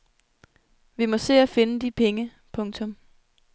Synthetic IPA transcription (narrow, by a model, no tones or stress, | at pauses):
ʋimɒ̽se̝̰ːæfe̝nəd̥ipʰeŋə | pʰɔ̽ŋt͡sʰɔ̽m